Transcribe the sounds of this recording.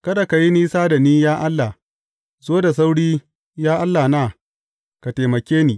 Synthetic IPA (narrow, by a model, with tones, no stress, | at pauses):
kɐ˦da˨ka˨ji˦niː˦saː˦da˨niː˦jaː˦ʔa˦lːa˨ | zoː˦da˨s̬a˦wɽiː˦ | jaː˦ʔa˦lːa˨naː˦˨ | ka˨teː˨mɐ˨kʲeː˦niː˨